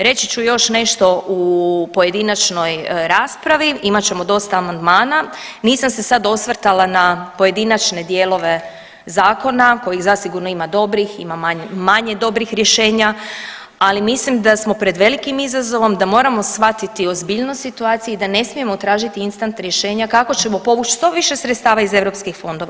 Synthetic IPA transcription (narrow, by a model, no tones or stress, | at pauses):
ɾe̞t͡ɕit͡ʃujo̞ʃne̞ʃt̪o̞ʔupo̞je̞d̪inat͡ʃno̞jɾaːspɾaʋiimat͡ɕe̞mo̞d̪o̞st̪aːmand̪maːnaniːsamse̞sad̪o̞sʋr̩t̪alanapo̞je̞d̪inat͡ʃne̞d̪je̞ːlo̞ʋe̞ | zaːko̞nako̞jiɣzasiɡuɾno̞imad̪o̞bɾixḭmamaɲmaɲe̞d̪o̞bɾixɾje̞ʃe̞ːɲa | alimislimd̪asmo̞pɾe̞d̪ʋe̞likimizazo̞ʋo̞md̪amo̞ːɾamo̞sʋat̪it̪io̞zbiʎnosit̪uaːt̪sijuid̪ane̞smie̞mot̪ɾaːʒit̪iinst̪ant̪ɾje̞ʃe̞ːɲakako̞t͡ɕe̞mo̞po̞ʋut͡ʃst̪o̞ʋiʃe̞sɾet̪st̪aːʋaize̞ʋɾo̞pskixfo̞nd̪o̞ʋa